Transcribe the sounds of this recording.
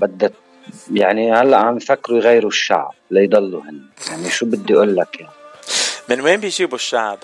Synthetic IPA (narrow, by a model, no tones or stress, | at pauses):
bad̪ːa | jaʕnihalːaʔhanfakːɾujɣajːɾuʃːa̰ʕb̚lajd̪ˤɑlːuhɪnːɪjaʕniʃuːbɪd̪ːiʔuːlːakjaʕimɪnweːmbijʃiːbuʃːaʕb